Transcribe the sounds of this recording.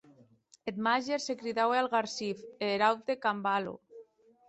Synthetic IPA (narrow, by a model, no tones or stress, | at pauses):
et̪maʒeɾsekɾiðawealɣaɾsifeɾaw̪ekambalo̰